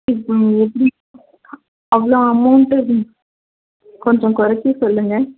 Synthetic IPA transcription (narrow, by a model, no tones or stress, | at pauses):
ɪɛpːɐɽi | ɐʋɐɭõɐmɐʊɳʈː | kɔɲd͡ʒõkʊɾɐt͡ʃːisɔlːɯŋɡɐ